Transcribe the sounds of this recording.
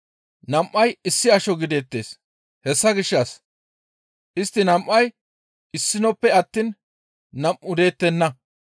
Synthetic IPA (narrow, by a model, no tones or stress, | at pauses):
nɐmʔːɐjɪsːɪɐʃɔɡɪd̪e̞ːt̪ːe̞̰ːs | hɛsːɐɡɪʃːɐs | ʔɪst̪ːɪnɐmʔːɐj | ʔɪsːɪnɔpːɛɐt̪ːiːn | nɐmʔʊd̪e̞ːt̪ːɛnːɐ